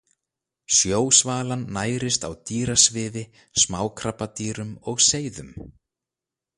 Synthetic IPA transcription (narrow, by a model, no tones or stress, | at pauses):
sjoːwsvaːlanːaːjɾɪst̪awt̪iːɾasvɪːvɪ | smaːwkʰɾapːat̪iːɾʏmɔɣseːjðʏm